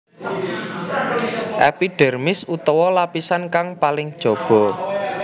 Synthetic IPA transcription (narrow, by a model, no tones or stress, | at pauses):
ʔɛpiɖ̥ɛ̤rmɪsut̪ɔwɔlapisankaŋpalɪŋd̥ʒ̥ɔ̤b̥ɔ̤